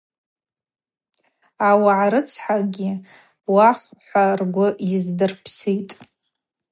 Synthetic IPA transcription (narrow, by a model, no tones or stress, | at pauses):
awaʕaɾɨt͡sʰħaɡʲi | waχħʷarɡʷʊizdɨrpʰsijtʼ